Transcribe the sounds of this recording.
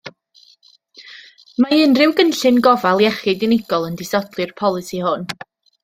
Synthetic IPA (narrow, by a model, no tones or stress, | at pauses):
maɨːnrɪwɡənɬɨnɡɔvalˠjɛχɨdɪnɪɡɔlˠəndɪsɔdlˠɨrpʰɔlˠɨsihʊn